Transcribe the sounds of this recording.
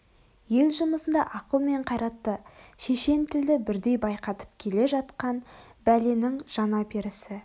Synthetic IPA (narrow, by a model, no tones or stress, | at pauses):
je̞lʒʊməsənd̪ɑʔɑqəlˠme̞ɴqʰɑjɾɑt̪ːəʃeʃe̞nt̪ʰɪld̪ɪbɪɾd̪e̞jbɑjqɑt̪ə̥p̚kʲʰe̞le̞ʒɑt̪qɑnbælenɪŋʒ̥ɑnɑpeɾɪsɪ